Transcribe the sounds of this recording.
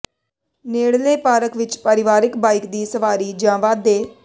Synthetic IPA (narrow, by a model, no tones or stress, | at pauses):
neːɽleːpaːɾəkʋɪt͡ʃpəɾɪʋaːɾɪkbaːɪkd̪iːsəʋaːɾiːd͡ʒãːʋaːd̪eː